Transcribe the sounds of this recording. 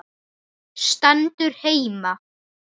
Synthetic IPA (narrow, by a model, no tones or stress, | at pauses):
st̪ant̪ʏɾ̥heːjma